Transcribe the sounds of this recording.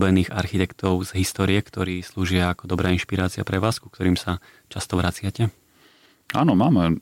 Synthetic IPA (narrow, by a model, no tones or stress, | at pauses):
bɛniːɣa̰ɾxit̪ɛkt̪ɔʊz̥ɦist̪ɔːɾijɛkt̪ɔɾiːsluːʒɪaːkɔd̪ɔbɾaːinʃpiɾaːt͡sɪapɾɛʋaːsku̥k̚t̪ɔɾiːmsa | t͡ʃast̪ɔʋɾat͡sɪacɛ | a̰ːnɔmaːmɛ